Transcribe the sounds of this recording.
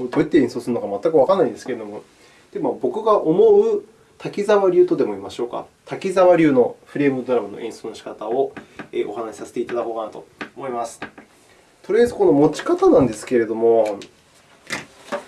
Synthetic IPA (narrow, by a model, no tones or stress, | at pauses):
od̪oit̪ːe̞ẽ̞ɰ̃so̞ːsɨɾɯno̞kamat̪ːakɯ̟βakanːaind̪e̞sɨ̥kee̞d̪o̞mo̞ | d̪̥e̞mabo̞kɯ̟ɡaʔomo̞ɯ̟ | t̪ʰakʲizaβaɾʲɯ̟ːt̪o̞d̪e̞mo̞imaɕo̞ːka̰ | t̪ʰakʲizaβaɾʲɯ̟ːno̞ɸɯ̟ɾe̞ːmɯ̟d̪o̞ɾamano̞̰ʔẽ̞ɰ̃so̞ːnoɕi̥kat̪ao̞ḛːʔo̞̰hanaɕi̥sase̞̥t̪eit̪ad̪akoːɡanat̪o̞ːmo̞imasɨ̥ | t̪oɾɯ̟jazɨko̞no̞mo̞t͡ɕi̥kat̪anãnd̪e̞sɨ̥ke̞ɾe̞d̪o̞mo̞